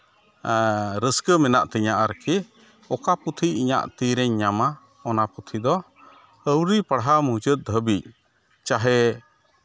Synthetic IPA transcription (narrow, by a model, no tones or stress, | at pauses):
ɾəskəmɛna̰ʔt̪əɲaʔaɾki | ɔkaput̪ʰiiɲa̰ʔt̪iɾɛɲːama | ɔnaput̪ʰid̪ɔ | əwɾipəɽɦamud͡ʒət̪̚d̪ʱəbic̚ | t͡ʃaɦɛ